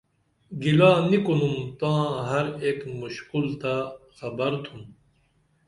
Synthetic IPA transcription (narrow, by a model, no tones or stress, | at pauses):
ɡilaːnikunumt̪ãːɦɐɾeːkmuɕkult̪axɐbɐɾt̪ʰum